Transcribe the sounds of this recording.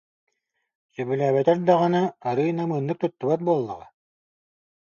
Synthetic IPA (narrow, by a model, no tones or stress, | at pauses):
sœbylʲæːβɛt̪ɛɾd̪aʁanaaɾɯːnamɯːnːɯk̚t̪ut̪ːuβat̪̚buɔlˠːa̰ʁa̰